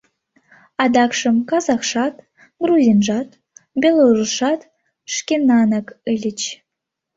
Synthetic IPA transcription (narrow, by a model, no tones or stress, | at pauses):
ɑd̪ɑkʂə̆mkɑzɑχʃɑt̪ | ɡruzʲinʒɑt̪ | bʲelərə̆ʃɑt̪ | ʂkʲenɑnəkɨlʲɘ̆t͡ɕ